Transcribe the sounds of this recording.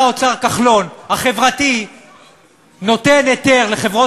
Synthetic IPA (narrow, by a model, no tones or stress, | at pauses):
ot͡saʁkaχlo̞nhaχe̞vʁat̪i | no̞te̞net̪e̞ʁleχevʁo